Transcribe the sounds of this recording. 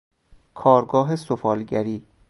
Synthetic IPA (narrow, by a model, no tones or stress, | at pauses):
kʰɒːɾɡɒːɦesofɒːlɟæɾiː